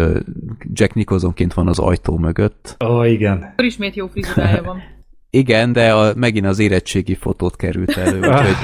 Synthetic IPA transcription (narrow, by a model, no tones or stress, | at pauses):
d͡ʒɛknikozo̞ŋkeːnt̪ʋɒnɒzɒ̰jt̪oːmøɡøt̪ːoːiɡɛnɾiʃmeːt̪joːfrizaːjavɒm | iɡɛnd̪ɛɒmɛɡinɒzeːɾɛt͡ʃːeːɡifo̞t̪oːt̪kɛɾylt̪ɛløːuhoɟ